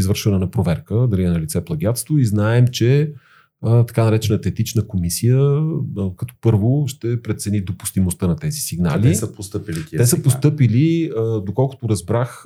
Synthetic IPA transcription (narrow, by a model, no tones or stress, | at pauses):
izvɤɾʃvɐnɛnɐpɾovɛɾkəd̪ɐlinɐlit̪sɛplˠɐɡjat̪st̪voiznaɛmt͡ʃɛ | t̪ɐ̥kanɐɾɛt͡ʃɛnət̪ɛt̪it͡ʃnəkomisijə | kɐt̪ɔ̥pɤɾvoʃt̪ɛpɾɛt̪sɛnid̪opʊ̥st̪imost̪ənɐt̪ɛzisiɡnaa̰lt̪isəpost̪ɤpilik̪iɛsəpost̪ɤpiliəd̪okɔlˠko̥t̪oɾɐzbɾax